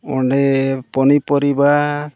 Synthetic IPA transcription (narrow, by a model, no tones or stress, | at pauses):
ɔɳɖɛpɔnipɔɾiba